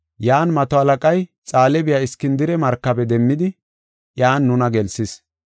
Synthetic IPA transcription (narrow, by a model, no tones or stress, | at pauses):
jaːnmɐt̪ɔhɐlɐkʼɐjt͡sʼaːlɛbɪjaːɪskːɪnd̪ɪɾɛmɐɾkːɐbɛd̪ɛmːɪd̪ɪ | ʔjaːnːʊnɐɡɛlsɪs